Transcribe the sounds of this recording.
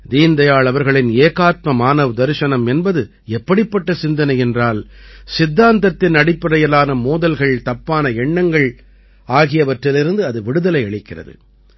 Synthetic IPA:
d̪iːnd̪ɐjaːɭɐʋɐɾɣɐɭɪneːkaːt̪̚mɐmaːnɐʋɯd̪ɐɾʂɐnɐmɛnbɐðɯ | ɛpːɐɽɪpːɐʈːɐsɪnd̪ɐnɐɪɛndraːlsɪd̪ːaːnt̪ɐt̪ːɪnɐɽɪpːɪɾɐjɐlaːnɐmoːðɐlɣɐɭt̪ɐpːaːnɐɛɳːɐŋɡɐɭ | aːɣɪjɐʋɐʈrɪlɪɾɯnd̪ɯɐðɯʋɪɽɯðɐlɐɪɐɭɪkːɪrɐ̰ðɯ̰

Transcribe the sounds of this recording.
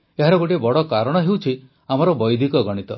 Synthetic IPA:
eɦaɾɔɡoʈiebɔɽɔkaɾɔɽ̃ɔɦewt͡ʃʰi | amɔɾɔbɔjd̪ʱikɔɡɔɽ̃it̪ɔ

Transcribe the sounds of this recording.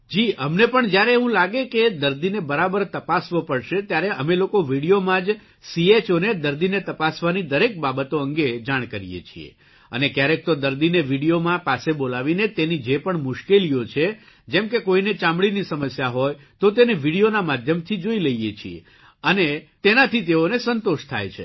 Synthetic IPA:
d͡ʒiəmnepəɳd͡ʒjaɾeɦũlaɡeked̪əɾd̪inebəɾabəɾt̪əpasʋopəɭʃet̪jaɾeʔəmelokoʋiɽijomãd͡ʒ | siet͡ʃoned̪əɾd̪inet̪əpasʋanid̪əɾek̚babət̪oə̃ŋɡed͡ʒaɽ̃kəɾijḛt͡ʃʰḭḛ | ə̰nekjaɾek̚t̪od̪əɾd̪ineʋiɽijomãpasebolaʋinet̪enid͡ʒepəɳmʊʃkelijot͡ʃʰe | d͡ʒɛmkekoinet͡ʃãmbɭinisəməsjaɦoj | t̪ot̪eneʋiɽijonamad̪ʱjəmt̪ʰid͡ʒoiləijet͡ʃʰiḛ | ənet̪enat̪ʰit̪eonesənt̪oʃt̪ʰa̰jt͡ʃʰḛ

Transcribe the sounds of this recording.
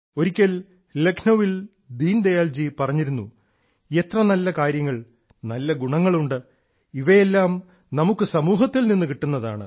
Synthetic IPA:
o̞ɾikʲːɐl | lekʰnoʋil | d̪iːnd̪ɐjaːld͡ʑipɐrɐɲːiɾunːu | e̞t̪rɐnɐlːɐkaːɾjɐŋːɐɭ | nɐlːɐɡuɳɐŋːɐɭuɳɖɨ | iʋɐjelːaːm | nɐmukːɨsɐmuːɦɐt̪ːilninːukiʈːunːɐða̰ːɳɨ̰

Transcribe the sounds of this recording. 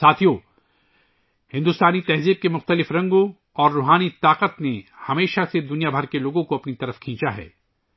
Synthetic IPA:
saːt̪ʰijo | hɪ̃nd̪ʊst̪aːnit̪ɛɦziːb̚kemʊxt̪əlɪfɾɐ̃ŋɡõ | ɔːɾːuːɦaːnit̪aːqət̪nehɐmeːʃased̪ʊnijabʱɐɾkeloːɡõkoɐpnit̪ɐɾəfkʰĩːt͡ʃaɦɛ̰ː

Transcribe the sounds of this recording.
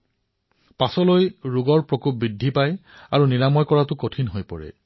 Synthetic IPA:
pasɔlojɹuɡɔɹpɹɔkup̚bidʱːipajaɹuniɹamɔjkɔɹatʊkotʰinɦojpɔɹɛ̰

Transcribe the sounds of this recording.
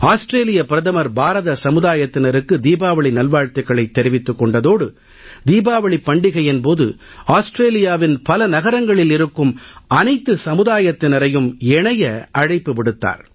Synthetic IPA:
aːsʈɾeːlɪjɐpɪɾɐðɐmɐɾbaːɾɐðɐsɐmɯðaːjɐt̪ːɪnɐɾɯkːɯd̪iːbaːʋɐɭinɐlʋaːɻt̪ɐɣɐɭɐɪt̪ːɛɾɪʋɪt̪ːɯkːɔɳɖɐðoːɽɯ | d̪iːbaːʋɐɭipːɐɳɖɪɣɐjɛnpoːðɯ̰ | aːsʈɾeːlɪjaːʋɪnpɐlɐnɐɣɐɾɐŋɡɐɭɪlɪɾɯkːɯmɐnɐɪt̪ːɯsɐmɯðaːjɐt̪ːɪnɐɾɐjɯmɛɳɐjɐɐɻɐɪpːɯʋɪɽɯt̪ːa̰ːɾ

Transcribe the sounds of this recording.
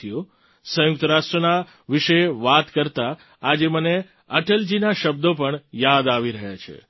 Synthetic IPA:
ijo | sə̃juk̚t̪əɾaʃʈɾəna | ʋɪʃəʋat̪kəɾt̪aː | d͡ʒeməne | əʈəld͡ʒinaʃəb̚d̪op̬əɳjad̪aʋiɾəɦat͡ʃʰḛ

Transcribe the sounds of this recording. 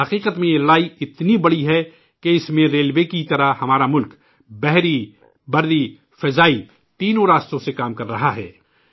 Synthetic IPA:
hɐqiːqət̪mẽjeɾlaːiɪt̪nibɐɽiɦɛ | keɪsmẽɾeːlwekit̪ɐɾəhɐmaːɾamʊlk | bɛɦɾi | bɐɾd̪i | fɪzaːi | t̪iːnõɾaːst̪õsekaːmkɐɾːɐɦaɦɛ̰ː

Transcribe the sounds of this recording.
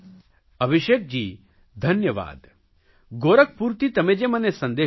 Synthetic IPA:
ɐbʱiʃeːk̚d͡ʒiː | d̪ʱɐnjɐʋa̰ːd̪ | ɡoːɾɐk̚puːɾt̪it̪ɐmed͡ʒeːmɐnesɐnd̪eː

